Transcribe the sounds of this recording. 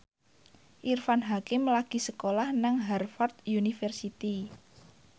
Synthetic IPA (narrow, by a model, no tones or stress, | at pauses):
ʔirfanɦakɪmlaɡ̥i̤səkolahnaŋɦɛrfart̪̚junifɛrsit̪i